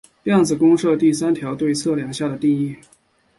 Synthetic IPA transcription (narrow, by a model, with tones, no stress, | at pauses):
jɑ˥˩ŋd͡zɹ̩˨˩kʊ˥ŋʂɤ˥˧t̪i˥˩s̬a˥nt̪ʰjɑ˧˥ʊt̪we˥˧ɪt͡sʰɤ˥˩ljɑ˨˩ŋɕja˥˩d̪ə˩t̪i˥˩i˥˩